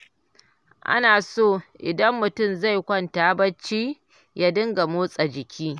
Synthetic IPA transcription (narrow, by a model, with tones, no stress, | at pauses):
ʔa̰˦naː˨soː˦˨ʔɪ̰˨dɐ˦mːʊ˨tʊ˦˨mza˦˨jkʷɐ˦˨ntaː˦bɐ˦t͡ʃːiː˦ | ja˦dɪ˦ŋɡa˨moː˦sʼa˨d͡ʒɪ˨kʲʰiː˦